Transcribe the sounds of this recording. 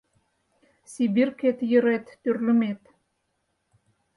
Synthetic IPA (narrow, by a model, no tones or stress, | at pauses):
sibirket̪jə̆ɾet̪ːørlə̆met̪